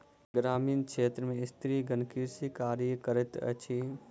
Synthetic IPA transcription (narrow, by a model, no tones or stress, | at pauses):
ɡɾaːmiːnkʃʰeːt̪ɾəmẽɪst̪ʰɾiɡənkisikaːɾikəɾɪt̪ə̰t͡ʃʰi